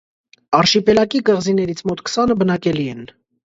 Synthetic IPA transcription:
ɑrʃipɛlɑkikəʁzinɛɾit͡sʰmɔt̪kʰsɑnəbənɑkɛliɛn

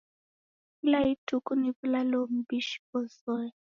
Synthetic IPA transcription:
ilaitʰukuniβulalom̩biʃi̥pɔsɔɛ

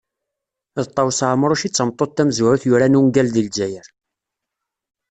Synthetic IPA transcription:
ðt̪ˤːɑwsʕməɾˤʊʃit͡sːəmt̪ˤːot̪ːæmzʊɾʊθjʊɾænuŋɡælðild͡ʒæjəɾ

